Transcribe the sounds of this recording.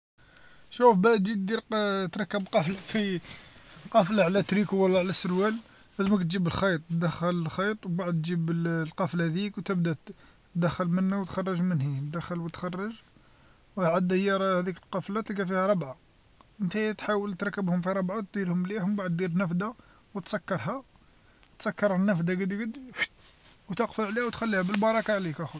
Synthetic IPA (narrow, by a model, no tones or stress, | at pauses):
ʃufbæd̪d͡ʒit̪d̪iɾt̪ɾˤɑkːəbqɑflafi | qɑflaʕlæt̪ɾikuwəlːæʕlæsəɾwæl | læzməkt̪ʒibəlxɑjt̪ˤd̪əxəllxɑjt̪ˤwbaʕd̪̚t̪ːʒibəlqɑflhæd̪ikwt̪əbd̪æ | d̪əxːəlmənːæwət̪xɑrˤːɑʒmənhit̪d̪əxːəlwət̪xɑrˤːɑʒ | waʕad̪hjːɑɾˤhæd̪ikəlqɑflæt̪likæfihæɾˤɑbʕa | ʔənt̪æt̪ħawəlt̪ɾˤɑkːəbhʊmfiɾˤɑbʕat̪̚d̪iɾhʊmliħʊmbaʕəd̪ːiɾnæfd̪a | wət̪sækːɑɾˤɦæ | t̪sɑkːɑɾˤnːæfd̪aɡəd̪ɡəd̪ | wt̪əqfəlʕlihæwt̪xælːihæbəlbɑɾˤɑkaʕlikæxu